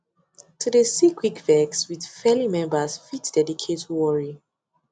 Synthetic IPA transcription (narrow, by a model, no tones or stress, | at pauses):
tʰudəsikʰwikvɛkswiðfɛlimɛ̃mbəsfitd̥ɛdikʰetʰwɔɹi